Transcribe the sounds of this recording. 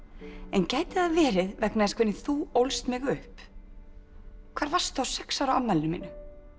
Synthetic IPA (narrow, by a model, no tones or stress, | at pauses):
ɛncaːjt̪ɪaðavɛːɾɪðvɛknaðɛnskvɪɾnɪθuowlst̪mɪɣʏhp | kʰv̥aːɾvar̥st̪awsɛksawɾaawmɛlnʏmḭːnʏ